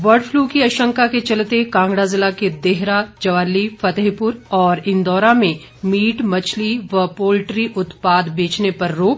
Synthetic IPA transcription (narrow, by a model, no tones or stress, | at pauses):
ʋɐɾɖfʰluːkiɐʃə̃ŋkaket͡ʃɐlt̪ekãːŋɡɽazɪlaked̪eɦɾad͡ʒɐʋaːlifɐt̪əɦpʊɾɔːɾɪ̃nd̪ɔːɾamẽ | miːʈmɐt͡ʃʰliʋɐpoːlʈɾiʔʊt̪paːd̪beːt͡ʃnepɐɾːoːk̚